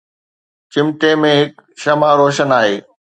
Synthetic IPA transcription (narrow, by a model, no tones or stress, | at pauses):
t͡ɕɪmʈemẽɦɪkʃɐmaɾoːʃənaːɦeː